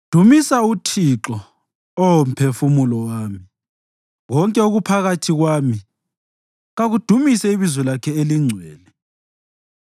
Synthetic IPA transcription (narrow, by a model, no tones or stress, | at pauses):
d̥ʱumisautʰiǁɔ | ɔwom̩pʰefumulɔwaːmi | ɣɔŋkʼɛoɣupʰaɣatʰiɣwaːmi | ɣaɣud̥ʱumisɛiβizwɛlakʰɛeliŋ͡ǀʱwɛːlɛ